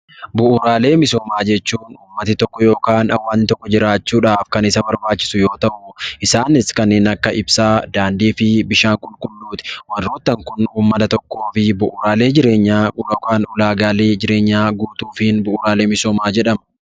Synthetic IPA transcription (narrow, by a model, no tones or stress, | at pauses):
bʊʔʊɾaːle̞ːmɪso̞ːmaːd͡ʒɛt͡ʃːuːnuːmːɐt̪ɪt̪ɔkːɔjo̞ːkaːnɐwːɐnɪt̪ɔkːɔd͡ʒɪɾaːt͡ʃːuːᶑaːfkɐnɪsɐbɐɾbaːt͡ʃːɪ̥sʊjo̞ːt̪ɐʔʊʔɪsaːnɪskɐnːeːnɐkːɐɪbsaːd̪aːnd̪iːfɪbɪʃaːŋkʼʊlkʼʊlːuːt̪ɪ̥wɐrːoːt̪ːɐŋkʊnuːmːɐt̪ɐt̪ɔkːo̞ːfɪbʊʔʊːɾaːle̞ːd͡ʒɪɾe̞ːɲːaːoːkaːnʊlaːɡaːle̞ːd͡ʒɪɾe̞ːɲːaːɡuːt̪uːfɪnbʊʔʊɾaːle̞ːmɪso̞ːmaːd͡ʒɛᶑɐm